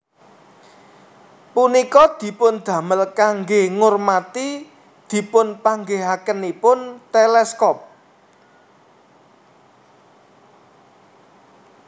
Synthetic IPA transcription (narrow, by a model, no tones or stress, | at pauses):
punikɔd̪̥i̤pʊnd̪̥ä̤məlkaŋɡeŋʊrmat̪i | d̪̥i̤pʊnpaŋɡeɦakənipʊnt̪elɛskɔp̚